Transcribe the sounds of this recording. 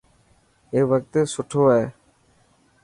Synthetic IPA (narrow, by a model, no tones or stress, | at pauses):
eːʋək̚t̪eːsʊʈʰoːɛː